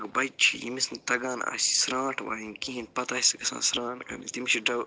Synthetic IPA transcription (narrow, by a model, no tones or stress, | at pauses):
ɡbɐjt͡ʃʰḭjḭmisnt̪ɐɡaːna̰ːsʲi̥sɾãːʈʰʋa̰ːjinkiɦinpɐt̪ɐiskɐsã̰ːsɾãːʈkɐ̰nḭt̪imiʃiɖɐ